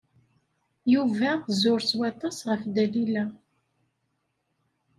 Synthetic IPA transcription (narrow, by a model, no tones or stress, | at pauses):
juvæzʊɾswɑt̪ˤɑsʁəfd̪ælilæ